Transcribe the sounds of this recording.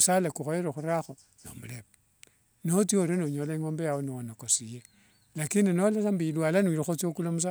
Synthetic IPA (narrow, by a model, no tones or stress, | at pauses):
salakuxojeɾexuɾaxo | no̰mulep | not͡sioɾenoɲolaiŋoːmbejawoniwonokosije | lakindinolasambilwalanwiɾexot͡siokulomus̬a